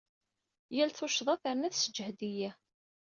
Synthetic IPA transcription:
jælθʊʃðˤɑθəɾnæθsəd͡ʒːhd̪ijæ

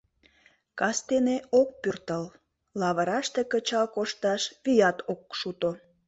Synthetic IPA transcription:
kɑst̪eneok̚pyrt̪əl | lɑβəɾɑʃt̪ekət͡ɕɑlkoʃt̪ɑʃβijɑt̪ok̚ʃut̪o

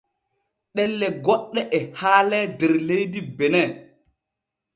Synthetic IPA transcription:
ɗɛlːɛɡɔɗːɛʔɛhaːlɛdɛɾlejdibɛnɛ

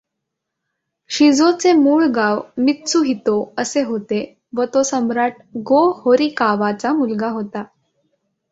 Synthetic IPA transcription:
ɕid͡zot͡semuːɭɡaʋmit̪t͡suɦit̪oəseɦot̪e | ʋət̪osəmɾaʈ̚ | ɡohoɾikaʋat͡samulɡaɦot̪a

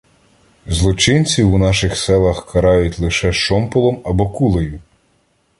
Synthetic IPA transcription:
zlˠɔt͡ʃɪnʲt͡sʲiwunɑʃɪxsɛlˠɐxkɐɾɑjʊtʲlˠɪʃɛʃɔmpɔlˠɔmɐbɔkulˠejʊ

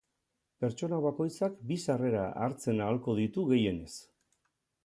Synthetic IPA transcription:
pe̞ɾt͡ʃo̞naβ̞ako̞jt͡sakbisare̞ɾa̰ʔa̰ɾt͡se̞naːlko̞ðit̪uɣe̞je̞ne̞s

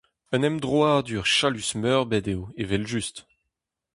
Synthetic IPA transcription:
œnɛmd̪ʁwaːd̪yʁʃalysmœːʁbɛdewevɛlʒyst̪

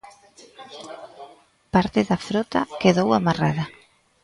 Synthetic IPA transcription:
paɾt̪ɪðafɾɔt̪a̰keðowamaraðɐ

